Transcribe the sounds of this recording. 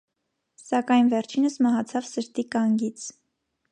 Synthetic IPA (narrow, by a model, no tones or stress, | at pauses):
sɑkɑjnvɛɾt͡ʃʰinəsmɑɦɑt͡sʰɑvsəɾt̪ikɑŋɡit͡sʰ